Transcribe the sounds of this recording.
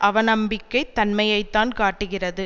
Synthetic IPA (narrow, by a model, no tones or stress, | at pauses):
ʔɐʋɐnɐmbɪkːɐɪt̪ːɐnmɐjɐɪt̪ːaːnkaːʈːɯɣɪrɐðɯ